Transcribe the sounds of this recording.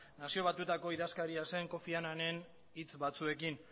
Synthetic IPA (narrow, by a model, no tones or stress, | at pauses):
nasio̞β̞at̪ut̪ako̞iðaskaɾiase̞ŋko̞fianane̞n | it͡sbat͡sue̞kin